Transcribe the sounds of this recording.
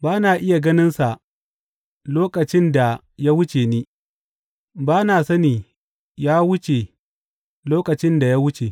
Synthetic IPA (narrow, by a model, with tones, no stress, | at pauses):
baː˦naː˨ʔɪ˦ja˨ɡɐ˦nɪ˦nsa˨ | loː˦kʼɐ˨t͡ʃɪ˦nda˨ | ja˦wʊ˦t͡ʃeː˨niː˦ | baː˦naː˨sɐ˦niː˨ | jaː˦wʊ˦t͡ʃe˨ | loː˦kɐ˨t͡ʃɪ˦nda˨ja˦wʊ˦t͡ʃe˨